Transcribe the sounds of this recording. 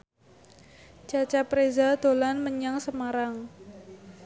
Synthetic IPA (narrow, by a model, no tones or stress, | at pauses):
d͡ʒ̥at͡ʃapɾezad̪̥o̤lanməɲaŋsəmaɾaŋ